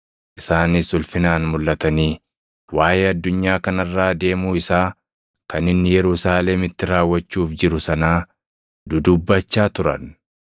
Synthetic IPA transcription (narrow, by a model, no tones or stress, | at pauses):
ʔɪsaːnɪsʊlfɪnaːnmʊlːɐt̪ɐniː | waːjeːɐd̪ːʊɲːaːkɐnɐrːaːd̪e̞ːmuːɪsaː | kɐnɪnːɪjɛɾʊsaːleːmɪt̪ːɪɾaːwːɐt͡ʃːuːfd͡ʒɪɾʊsɐnaː | d̪ʊd̪ʊbːɐt͡ʃːaːt̪ʊɾɐ̰n